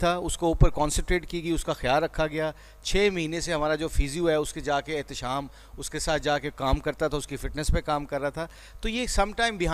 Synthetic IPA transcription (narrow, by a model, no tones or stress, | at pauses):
t̪ʰaːʊskouːpəɾkɔ̃ːnsə̃ɳʈɾeːʈ̚kiɡəiʊskaxjaːlɾɐkʰːaɡɐjaː | t͡ʃʰeːmɐɦiːnẽseɦɐmaːɾad͡ʒoːfiːzijuɦɛʊsked͡ʒaːkeːɦt̪ɪʃaːm | ʊskesaːt̪̚ʰd͡ʒaːkekaːmkɐɾt̪at̪ʰaʊskifɪʈnəspekaːmkɐɾːat̪ʰa | t̪ojesɐmʈaːɪmbɪɦaː